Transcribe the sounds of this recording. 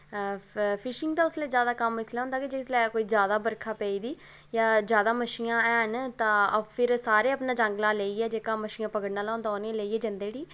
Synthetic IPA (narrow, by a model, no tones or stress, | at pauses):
pʰɪʃɪŋɡd̪aːʊsleːd͡ʒjaːd̪aːkəmːɪslɛːɦʊ̃nd̪aːkid͡ʒeslɛːkoːiːzjaːd̪aːbəɾkʰaːpɛːiːd̪iː | jaːzjaːd̪aːməʃiːãːɛːɦənt̪ãːəbpʰɪɾsaːɾeːəpnãːd͡ʒəŋɡlaːleːiːɛːd͡ʒeːkãːməʃiːãːpəkəɽnaːlãːnd̪aːniãːleːiːɛːd͡ʒənd̪eːɽiː